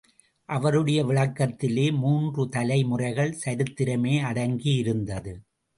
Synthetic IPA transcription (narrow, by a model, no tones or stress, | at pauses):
ʔɐʋɐɾɯɽɐjɐʋɪɭɐkːɐt̪ːɪleːmuːndrɯt̪ɐlɐɪmʊrɐɪɣɐɭsɐɾɯt̪ːɪɾɐmeːɐɽɐŋɡijɪɾɯnd̪ɐðɯ